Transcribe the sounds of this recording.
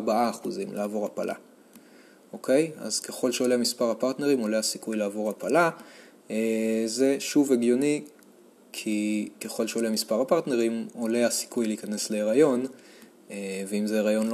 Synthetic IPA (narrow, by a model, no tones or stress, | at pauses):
baʔaːχuzimlaːvo̞ʁapalʔa̰ | ʔo̞ke̞ja̰z̥ke̞χo̞lʃeolemispaʁapaʁt̪neʁimo̞le̞hasikujlaːvo̞ʁapala | eze̞ʃuveɡjo̞ni | kʰikeχo̞lʃeoleamispaʁapaʁt̪ne̞ʁimo̞leasi̥kujleiːkane̞sle̞ːʁajo̞n | eveimzeeʁajo̞nl